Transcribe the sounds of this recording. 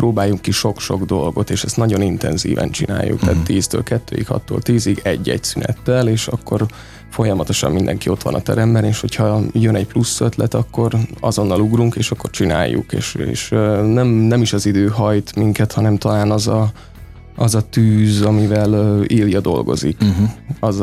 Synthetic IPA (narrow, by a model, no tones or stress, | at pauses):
proːbaːjuŋkːiʃo̞kʃo̞ɡd̪o̞lɡo̞t̪eːʃɛst̪nɒɟo̞nint̪ɛ̰nzḭːvɛ̰nt͡ʃina̰ːjṵk̚t̪aːt̪t̪iːzt̪ø̰ːlkɛt̪ːø̰ːikhɒ̰t̪ːo̰ːlt̪iːziɡɛ̰ɟːɛ̰ɟsynɛ̰t̪ːɛleːʃɒkːo̞r | fo̞jɒmɒt̪o̞ʃɒ̰mmind̪ɛ̰ŋkio̞t̪ʋɒ̰nɒt̪ɛɾɛmbɛneːʃho̞cʰhɒjønɛcplusːøt̪lɛt̪ɒkːo̞rɒ̰zo̞nːɒluɡruŋkeːʃɒkːo̞rt͡ʃina̰ːjːṵkḛːʃḛːʃnɛmnɛmiʃɒzid̪øːɦɒjt̪miŋkɛt̪hɒnɛmt̪ɒlaːnɒzɒ | ʔɒzɒt̪yːzɒmivɛliːljɒd̪o̞̰lɡo̞̰zḭkɒz